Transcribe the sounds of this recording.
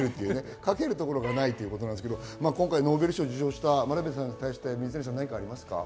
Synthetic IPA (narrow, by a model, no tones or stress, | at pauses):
ɾɯ̟t̪ːe̞iɯ̟ːne̞ | kake̞ɾɯ̟t̪o̞ko̞ɾoɡanait̪ːeiɯ̟kot̪onand̪sked̪omaːkõŋkaino̞ːbe̞ɾɯ̟ɕio̞d͡ʑɨɕo̞ːɕi̥t̪amaɾabesãɲ̟ːit̪aiɕi̥t̪e̞mʲiɲisẽs̬ãnːaɲ̟ikaːɾʲimasɨ̥ka̰